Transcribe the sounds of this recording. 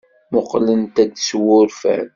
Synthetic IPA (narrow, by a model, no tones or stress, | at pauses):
mʊqlənt̪æd̪swʊɾfæ̰n